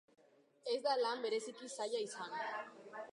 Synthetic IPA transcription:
e̞zd̪alambe̞ɾe̞sikisaʎaisan

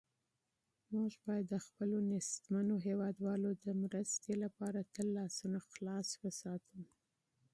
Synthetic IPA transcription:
mʊʒbɑjad̪ːəxpəlonɪst̪manoɦewɑd̪wɑlod̪əmɾəst̪elapɑɾat̪əlːɑsunaxlɑswəsɑt̪ʰəm

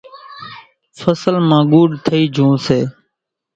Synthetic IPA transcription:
fəsəlmãːɠuːɖt̪ʰəiːd͡ʒʱũːseː

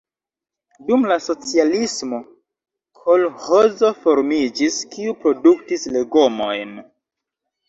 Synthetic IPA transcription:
dumlaso̞t͡sialismo̞ | kʰo̞lhozo̞fo̞ɾmid͡ʒiskiupɾo̞duktisle̞ɡo̞mo̞jn

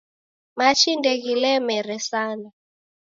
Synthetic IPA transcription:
mat͡ʃindɛɣilɛmɛɾɛsana

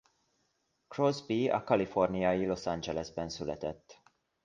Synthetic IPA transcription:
krozbiɒ̰kɒlifo̞rnijɒjilo̞sɑnd͡ʒɛlɛzbɛnsylɛ̰t̪ɛt̪ː

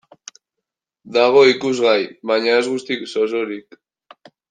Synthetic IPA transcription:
d̪aɣ̞o̞ikuzɣajβaɲae̞zɣust̪iksosoɾik

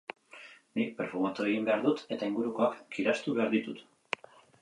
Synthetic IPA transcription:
nipeɾfumat̪ue̞ɣimbe̞aɾðut̪e̞t̪aiŋɡuɾuko̞akːiɾast̪uβe̞aɾðit̪ut̪

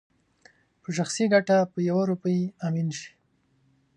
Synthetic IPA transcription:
pəʃ̬axsiɡaʈapəjawaɾupəjaminʃi̥

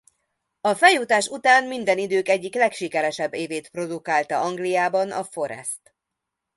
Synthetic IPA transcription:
ɒfɛjːut̪aːʃut̪aːnmind̪ɛnid̪øːkɛɟːiklɛkʃikɛɾɛʃɛbːeːveːt̪pro̞d̪ukaːlt̪ɒɒŋɡlijaːbɒnɒfo̞ɾɛ̰st̪

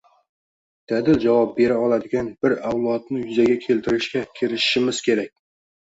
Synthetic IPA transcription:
d̪̥æd̪ɪlʒɑwɑp̚be̞ɾaɒlˠɑd̪ɪɡʲanbɪɾawlˠɑt̪̚nɪjʏzaɡʲakʲʰe̞lt̪ɪɾɪʃkʲakʲʰɪɾɪʃʃɪmɪz̥kʲʰe̞ɾakʲ

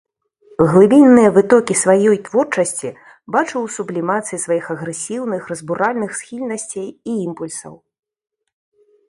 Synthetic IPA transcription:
ɣlˠɨbʲinːɨjɐvɨt̪ɔkʲisvajɔjt̪vɔrt͡ʂɐsʲt͡sʲi | bat͡ʂɨwsublʲimat̪sɨjisvajixɐɣɾɛsʲiwnɨxrɐzbuɾalʲnɨxsxʲilʲnɐsʲt͡sʲejiimpulʲsɐ̰w

